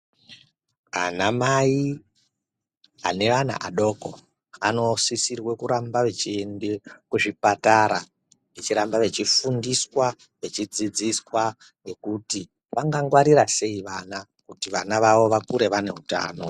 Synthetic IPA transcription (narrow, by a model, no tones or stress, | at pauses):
a̰namai | a̰ne̞ʋana̰ʔaɗo̞ko̰ | ano̞sisirwe̞kuɾambaʋe̞t͡ʃiendekuʐipataɾa | ʋe̞t͡ʃiɾambaʋe̞t͡ʃifundiswa | ʋe̞t͡ʃid͡zid͡ziswa | ne̞kuti | ʋaŋɡaŋɡwaɾiɾase̞iʋana | kutiʋanaʋaʋo̞ʋakuɾe̞ʋane̞̰ɦuta̰ːno̞